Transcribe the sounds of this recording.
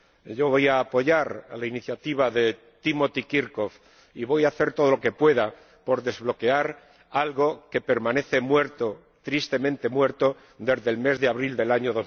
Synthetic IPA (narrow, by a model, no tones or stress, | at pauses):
ɟ͡ʝo̞βo̞jaːpo̞ʝaɾlainiθjat̪iβ̞aðe̞ | t̪imo̞t̪ikiɾko̞f | iβo̞jaːθe̞ɾt̪o̞ð̞olo̞ke̞pwe̞ða | po̞ɾðe̞zβlo̞ke̞aɾ | alɣo̞ke̞pe̞ɾmãne̞θe̞mwe̞ɾt̪o | t̪ɾist̪e̞mẽnt̪e̞mwe̞ɾt̪o | d̪e̞zðe̞lme̞zðeaβɾild̪e̞laɲoðoz